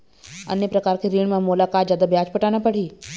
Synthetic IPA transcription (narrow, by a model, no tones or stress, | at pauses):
ə̰njəpɾəkaːɾkeɾiːɳmãmolakaːt̪zjaːd̪abjat͡ʃpəʈanapəɽ̤iː